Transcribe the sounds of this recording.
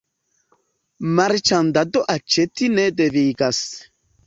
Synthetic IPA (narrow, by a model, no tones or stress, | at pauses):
maɾt͡ʃand̪ad̪oʔat͡ʃet̪ined̪eviːɡas